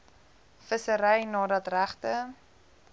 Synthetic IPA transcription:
fəsəɾɛjnɑːdɐtræχtə

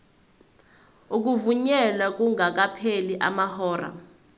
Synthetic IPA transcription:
uk̬uvuɲɛlak̬uŋak̬apʰeliʔa̰mahɔːra̰

